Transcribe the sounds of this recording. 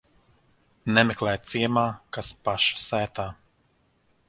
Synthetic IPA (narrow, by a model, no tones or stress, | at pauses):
nɛmɛklˠɛjt̪siɛmaːkaspaʃsæːt̪aː